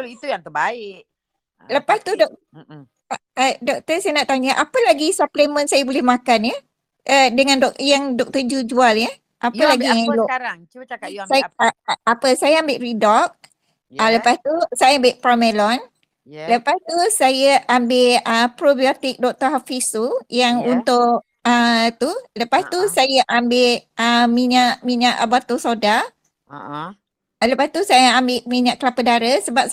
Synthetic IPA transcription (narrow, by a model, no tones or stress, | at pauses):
lit̪ujaŋt̪əbaɪʔ | ləpast̪udɔk̚ | ədɔk̚t̪əsajənaʔt̪aɲəʔapəlaɡisaplemə̃nsajəbolɛhmãkanjə | ʔədəŋãndɔkjaŋdɔk̚t̪əd͡ʒud͡ʒualjə | ʔapəlaɡiaŋlɔɾaŋasajapəsajəambɪʔridɔk̚ | ələpast̪usajaambɪʔpamelɔn | ləpast̪usajəʔambɪʔəpɾobiot̪ik̚dɔk̚t̪əɦafisujaŋunt̪ʊʔ | ət̪uləpast̪usajəʔambɪʔʔəmiɲaʔmiɲaʔbat̪osoda | ləpast̪usajəambɪʔmiɲãʔklapədaɾəsəbap̚